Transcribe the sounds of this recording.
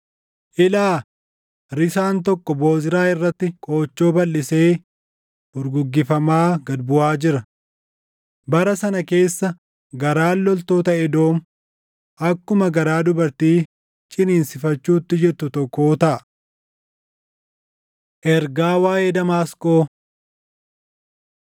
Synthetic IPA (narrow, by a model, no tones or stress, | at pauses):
ʔɪlaː | ɾɪsaːnt̪ɔkːɔbo̞ːzɪɾaːɪrːɐt̪ːɪkʼo̞ːt͡ʃːo̞ːbɐlːɪse̞ː | ʊɾɡʊɡːɪfɐmaːɡɐd̪bʊʔaːd͡ʒɪɾɐ | bɐɾɐsɐnɐke̞ːsːɐ | ɡɐɾaːlːɔlt̪o̞ːt̪ɐʔɛd̪o̞ːmʊ | ʔɐkːʊmɐɡɐɾaːd̪ʊbɐɾt̪iː | t͡ʃʼɪniːnsɪfɐt͡ʃːuːt̪ːɪd͡ʒɛt̪ːʊt̪ɔkːo̞ːt̪ɐʔɐ | ʔɛɾɡaːwaːjeːd̪ɐmaːskʼo̞ː